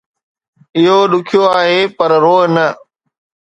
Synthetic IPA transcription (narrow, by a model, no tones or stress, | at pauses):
ɪɦoɗʊkʰijoaːɦeːpəɾɾoːɦnə